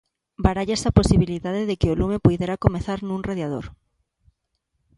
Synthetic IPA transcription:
baɾaʎesaposiβ̞iliðaðeðekeolumepujðeɾakomeθaɾnũŋreðjað̞o̰ɾ

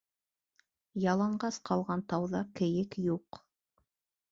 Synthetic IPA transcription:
jɑlˠɑɴɢɑsqʰɑlˠʁɑnt̪ɑwðɑkɘ̆jɘkjuq

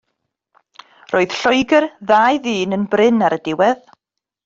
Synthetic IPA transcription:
rʔoːɨð̥ɬɔɨɡərðaːjðiːnənbrɪnaɾədɪwɛð

